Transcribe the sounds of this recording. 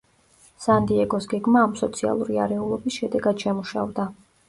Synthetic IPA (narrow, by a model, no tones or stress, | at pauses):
sand̪iɛɡɔsɡɛɡmaːmsɔt̪sʰia̰lˠuɾia̰ɾɛulˠɔbisʃɛd̪ɛɡad̪̥ʃɛmuʃa̰vd̪a